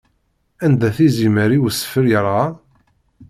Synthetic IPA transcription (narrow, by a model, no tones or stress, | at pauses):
ænd̪æθiziməɾiwsə̥fəɾjəɾˤɑ